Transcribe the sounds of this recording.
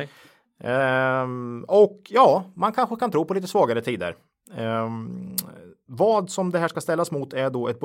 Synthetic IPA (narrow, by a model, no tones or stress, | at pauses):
ɔkjɑːmankʰanɧəkʰant̪ʰɾuːpɔliːt̪əsvɑːɡaɾət̪ʰiːd̪ə̰ɾ | vɑːd̪sɔmd̪ɛɦæːʂkast̪ɛlːasmʊt̪ʰæɖɔɛt̪̚b